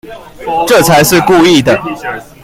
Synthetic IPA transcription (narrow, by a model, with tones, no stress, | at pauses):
ʈ͡ʂɤ˥˨t͡sʰa˨˦ɪʂɻ̩˥˧ku˥˧i˥˩d̪ə˩